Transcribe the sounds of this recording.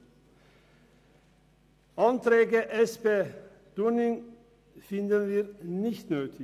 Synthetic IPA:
ɑnt̪ʰɾeːɡəʔɛspeː | d̪̥ʉɳɪŋ | fɪnd̪ənʋiːɾnɪçt̪nøːt̪ʰɪ

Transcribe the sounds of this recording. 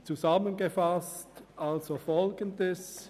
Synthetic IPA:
t͡suzamənɡəfastʔalzofɔlɡəndəs

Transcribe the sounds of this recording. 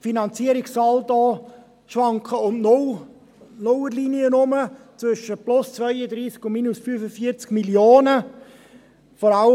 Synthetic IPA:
finɑnt͡siəɾɪksɑldɔː | ʃʋɑŋkəʊnnol | nowəɾliːniənʊmət͡svʏʃəplʊst͡svœʏədɾiːskʊnmiːnusfyːfəfiət͡skmiljoːnə | fɔɾɑlə

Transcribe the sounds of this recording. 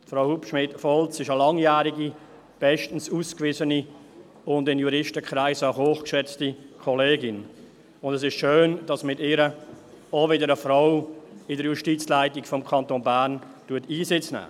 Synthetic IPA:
fɾaʊhupʃmɪtfɔlt͡sɪʃəlɑŋjæːɾiɡi | b̥ɛʃtən̩suːskvɪzəni | ʊndɪnjuɾɪʃtəkʰɾaɪsəɦoːχkʃɛt͡stikʰɔleːɡɪn | ʊndɛsɪʃʃøːnd̥ɑsmɪtɪːɾə | ɔvɪdəɾəfɾaʊɪdəɾjuʃtiːt͡slaɪtikfɔmkʰɑntoːnbæːɾn | tuətiːsɪt͡snæ̰ː

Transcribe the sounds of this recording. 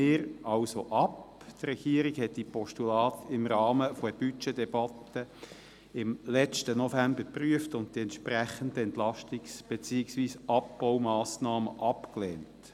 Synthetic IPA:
ɪːɾɑlsoʔɑp | t̪rɛɡ̥iəɾiɡhɛtdipɔʃtulɑːt̪ɪmɾɑːməfɔəb̥yt͡ʃedɛbɑt̪ːə | ɪmlɛt͡ʃtənofæmbəpryəftʊnttiɛntʃpræχəndəɛnt̪lɑʃtiksb̥et͡siɪksʋiːsɑp̚b̥ɔwmɑːsnɑːməʔɑpklɛːnt

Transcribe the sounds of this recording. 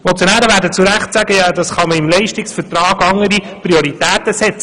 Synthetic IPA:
mot͡sjonæːɾəʋæːɾdət͡suɾæχtsæɡəjɑd̥̪ɑsχɑməɪmlɛɪʃtɪksfɛɾtɾɑːɡɑŋəɾi | pɾioɾit̪æːt̪əsɛt͡sə

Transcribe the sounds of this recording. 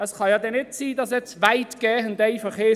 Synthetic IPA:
əsχɔjɔdɛnɛd̥siːdasɛtvajtɡ̥eːhəndejfəχeː

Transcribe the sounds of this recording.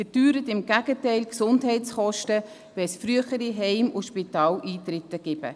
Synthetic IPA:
fəɾdyːɾətɪmɡ̥æɡ̥ətɛɪlksʊndɦɛɪtsχɔʃtə | ʋɛsfɾyəχəɾiɦɛɪmʊʃpitɑːlʔiːtɾɪt̪ːəɡ̥ɪb̥ə̰

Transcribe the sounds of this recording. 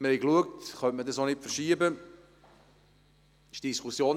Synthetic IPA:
məhɛɪkluək̚tχœntmədɑsonɪtfəʃiːəbə | ɪʃd̥iskusjoːn

